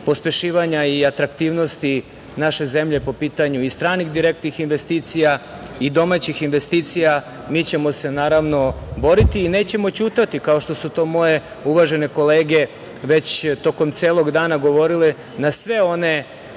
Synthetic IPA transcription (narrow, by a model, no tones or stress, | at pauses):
po̞spe̞ʃiːʋaɲaiat̪ɾakt̪iːʋno̞st̪i | naʃe̞ze̞mʎe̞po̞piːt̪aɲuist̪ɾaːnixd̪iɾek̚t̪nixinʋe̞st̪iːt̪sijaid̪o̞mat͡ɕixinʋe̞st̪iːt̪sija | miːt͡ɕe̞mo̞se̞naːɾaʋno̞bo̞ɾit̪iːne̞ːt͡ɕe̞mo̞t͡ɕuːt̪at̪ikao̞ʃt̪o̞sut̪o̞ːmo̞je̞ | uʋaʒe̞ne̞ko̞leːɡe̞ | ʋe̞t͡ɕt̪o̞ko̞mt̪seːlˠoɡd̪aːnaɡo̞ʋo̞ɾile | nasʋe̞o̞ne̞